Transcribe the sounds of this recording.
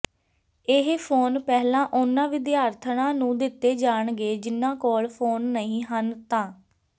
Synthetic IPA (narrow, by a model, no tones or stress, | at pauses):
ɪɦpʰoːnpɛːɦlãːʔʊnãːʋɪd̪jaːɾt̪ʰɳãːnũːd̪ɪt̪ːeːd͡ʒaːɳɡeːd͡ʒɪnːãːkoːɭpʰoːnːəĩːɦənt̪ãː